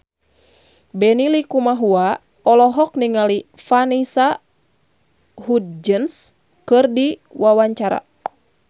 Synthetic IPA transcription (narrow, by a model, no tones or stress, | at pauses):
bɛnilikumaɦua | ɔlɔɦɔk̚niŋalifanisa | hudd͡ʒəns | kɨrdiwawaɲt͡ʃaɾa̰